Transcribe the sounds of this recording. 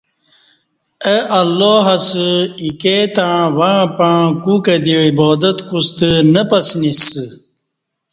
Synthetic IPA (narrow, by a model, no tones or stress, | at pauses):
əʔɐlːoːɦɐsɨiket̪aɻ̃wãpaɻ̃kukɐd̪iɻiboːd̪ɐt̪kust̪ɨnəpɐsnisɨ